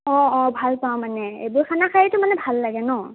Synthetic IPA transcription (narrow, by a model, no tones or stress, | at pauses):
ɔ̃ɔ̃bʱalpawmanɛḛbʊɹkʰanakʰajitʊmanɛbʱalːaɡɛnɔ